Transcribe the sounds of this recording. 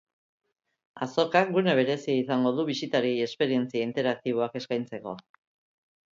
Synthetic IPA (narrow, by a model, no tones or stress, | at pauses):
aso̞kak̚ɡune̞β̞e̞ɾe̞siaisaŋɡo̞ðuβisit̪aɾie̞spe̞ɾie̞nt͡siaint̪e̞ɾak̚t̪iβ̞o̞ake̞skajnt͡se̞ko̞̰